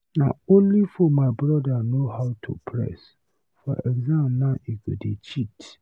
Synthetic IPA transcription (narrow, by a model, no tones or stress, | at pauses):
nã̰õnlifɔmãɪbɾɔdanoɦaʊtʰṵpʰɾɛ̰s | fɔʔɛɡzãmnãeɡo̰det͡ʃʰit